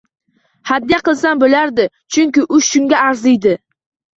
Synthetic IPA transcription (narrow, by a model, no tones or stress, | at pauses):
had̪ijaqɨlˠsanbɪlaɾd̪ɪ | t͡ʃʰʊŋkʲɪʔʊʃʃʊŋɡʲaːɾzɪjd̪ɪ